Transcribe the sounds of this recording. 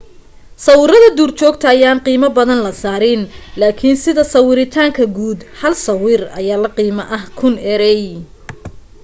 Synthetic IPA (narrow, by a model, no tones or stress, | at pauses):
sɐwɪɾɐðɐd̪uːrt͡ʃʰɔːɡ̚t̪ʰɐːjaːnqiːmɐbɐðɐnlɐsaːɾɪnlaːkʰɪnsɪðɐsɐwɪɾɪt̪ʰaːŋkʰɐɡuːd̪hɐlsɐwɪrɐ̰jaːlɐqiːmɐʔɐhkʰʊnɛɾɛj